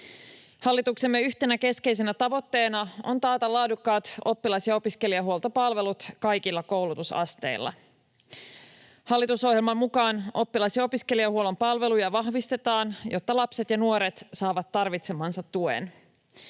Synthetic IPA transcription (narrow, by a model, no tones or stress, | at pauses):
hɑlːit̪ukse̞mːe̞yçt̪enæke̞ske̞ijse̞næt̪ɑʋo̞t̪ːe̞ːnɑo̞̰nt̪ɑːt̪ɑlɑːdukːɑːt̪o̞pːilɑsjɑo̞piske̞liɑɦuolˠt̪opɑlʋe̞lut̪kɑjkilːɑko̞wlut̪usɑ̰st̪e̞̰ilːɑ̰ | hɑlːit̪uso̞hjelmɑmmukɑːno̞pːilɑsjɑo̞piske̞liɑhuolo̞mpɑlʋe̞lujɑʋɑhʋist̪e̞t̪ɑːnjot̪ːɑlɑpset̪jɑnuoɾe̞t̪sɑːʋɑt̪ːɑrʋit̪se̞mɑːnsɑt̪ːuḛn